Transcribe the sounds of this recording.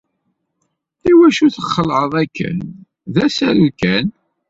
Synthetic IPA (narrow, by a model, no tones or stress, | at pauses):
iwæʃuθəχːəlʕəðˤækːə̰n | ðæsæɾukæn